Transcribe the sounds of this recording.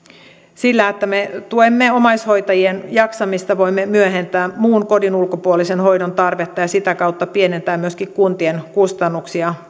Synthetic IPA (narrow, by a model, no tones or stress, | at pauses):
silːæet̪ːæmet̪uemːeomɑjsho̞jt̪ɑjienjɑksɑmist̪ɑʋo̞imːemyøɦent̪æːmuːnko̞dinulkopuolisenho̞jdont̪ɑrʋet̪ːɑjɑsit̪ækɑut̪ːɑpienent̪æːmmyøskikkunt̪ienkust̪ɑnːuksiɑ